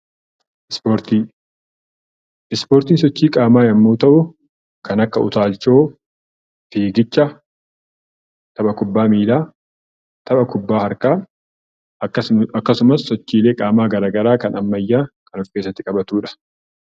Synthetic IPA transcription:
soɾt̪i | ɪspo̞ːɾt̪iːns̬ɔt͡ʃːiːkʼaːmaːjɐmːoːt̪ɐʔʊ | kɐnɐkːɐʊ̰t̪aːlt͡ʃo̞ː | fiːɡɪt͡ʃːɐ | t̪ʰɐɓɐkʊbːaːmiːlaː | t̪ʰɐbɐkʊbːaːhɐɾkaː | ɐɐkːɐsʊmɐsːɔt͡ʃːiːle̞ːkʼaːmaːɡɐɾaːɡɐɾaːkɐnɐmːɐjːaːkʰɐnɔfkeːsːɐt̪ːɪkʼɐbɐt̪uːᶑɐ̥

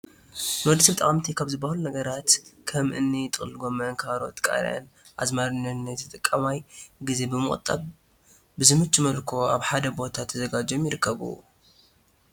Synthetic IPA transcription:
mɐd̪sibɨt̪ʼa̰χʼmt̪ʰikʰaβzɨbːahɐlunɐɡɐɾat̪kʰɐmʔɨnːit̪ʼɨxʼlɡo̞mɐnkʰaɾo̞̰t̪kʼa̰ɾɐ̰n | ʔa̰zmaɾɨnɨnt̪ʰɨt̪ʼɨkʼːɐmajɡize̞bɨmɨχʼt̪ʼa̰b | bɨzɨmɨt͡ʃʼːmɐlkʰo̞aβħad̪ɐbo̞t̪ʰat̪ʰːɐzɐɡad͡ʒo̞mjɪɾɨkʰːɐβṵ

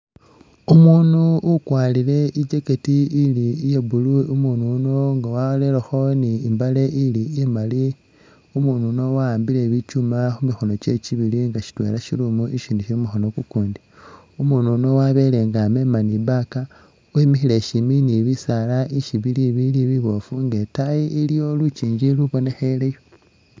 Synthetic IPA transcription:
umuːnuukwaːlile̞ʔid͡ʒe̞ke̞tiilijeβuluumununo̞ŋɡawaole̞laxo̞niːmbaleʔilijemali | umuːnuno̞waːmbile̞βit͡ʃumaxumixo̞no̞t͡ʃe̞t͡ʃiβiliŋɡaʃi̥twe̞̰ːlaʃilumuʔiʃiniʃimixo̞no̞kukuːndi | umuːnuno̞waβe̞le̞ŋɡame̞manibaka | wemixile̞ʃiminiβisalaʔiʃiβiliβiliβiβo̞fuŋɡe̞tajiilijo̞lut͡ʃiːɲd͡ʒiluβo̞ne̞xelejo

